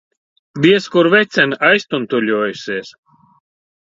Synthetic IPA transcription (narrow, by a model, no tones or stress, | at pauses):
d̪iɛskuɾvɛt̪sʲɛnajst̪unt̪ulʲuɔːjusiɛs